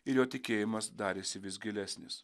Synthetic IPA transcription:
ɪɾjoːt̪ʲɪkʲeːjɪmɐsd̪ɑːɾʲeːsʲɪʋʲɪsɡʲɪlʲæsʲnʲɪs

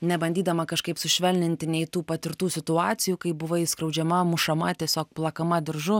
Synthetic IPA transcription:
nʲɛbɐnʲd̪ʲiːd̪ɐmɐkɐʃkɐɪpsʊʃʲʋʲɛlʲnʲɪnʲt̪ʲɪnʲɛɪt̪uːpɐt̪ʲɪɾt̪uːsʲɪt̪ʊɑːt̪sʲɪjuːkɐɪbʊʋɐɪskɾɐʊd͡ʒʲɛmɐmʊʃɐmɐt̪ʲiɛsʲoːk̚plˠɐkɐmɐd̪ʲɪɾʒʊ

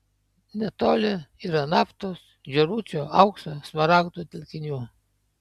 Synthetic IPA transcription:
nʲɛt̪oːlʲɪiɾɐnɑːft̪oːs | d͡ʒʲɛɾuːt͡ʃʲoɐʊksosmɐɾɑːkt̪uːt̪ʲɪlʲkʲɪnʲuː

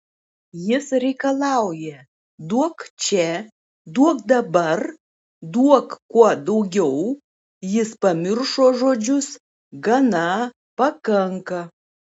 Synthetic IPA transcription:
jɪsɾʲɛɪkɐlˠɑˑʊjɛ | d̪uɔkt͡ʃʲɛ | d̪uɔkd̪ɐbɐɾ | d̪uɔkkuɔd̪ɐʊɡʲɛʊ | jɪspɐmʲɪɾʃoːʒoːd͡ʒʲʊs | ɡɐnɐ | pɐkɐŋkɐ

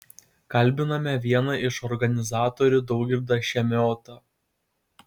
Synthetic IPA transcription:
kɐlʲˑbʲɪnɐmʲɛʋʲiɛnɐɪʃɔɾɡɐnʲɪzɑːt̪ɔɾʲʊd̪ɔʊkɡʲɪɾd̪ɑʃʲɛmʲoːt̪ɐ

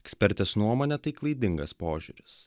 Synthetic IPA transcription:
ɛksʲpʲɛɾʲt̪ʲɛsnuɔmoːnʲɛt̪ɐɪklˠɐɪd̪ʲɪŋɡɐspoːʒʲṵːɾʲɪs

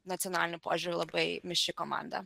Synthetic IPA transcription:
nɐt̪sʲiɔnalʲnʊpo̰ːʒʲʊɾʲʊlˠɐbɐɪmʲɪʃʲt͡ʃʲɪkɔma̰nd̪ɐ̰

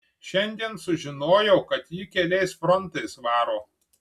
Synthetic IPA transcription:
ʃʲɛnʲd̪ʲiɛnsʊʒʲɪnoːjɛʊkɐt̪jikʲɛlʲɛɪsfɾɔnt̪ɐɪsʋɑːɾoː

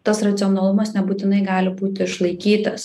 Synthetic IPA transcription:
t̪ɐsɾɐt̪sʲɪɔnɐlˠʊmɐsnʲɛbuːt̪ʲɪnɐɪɡɑːlʲɪbuːt̪ʲɪɪʃlˠɐɪkʲiːt̪ɐs

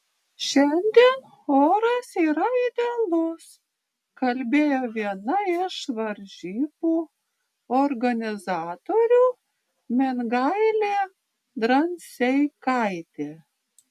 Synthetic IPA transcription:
ʃʲɛnʲd̪ʲin | oːɾɐsiːɾɐiːd̪ʲelˠʊs | kɐlʲbʲeːjoːʋʲiɛnɐɪʃʋɐɾʲʒʲiːbuː | ɔɾɡɐnʲɪzɑːt̪oːɾʲuː | mʲɪnɡɑɪlʲeː | d̪ɾɐnʲsʲɛɪkɐɪt̪ʲeː

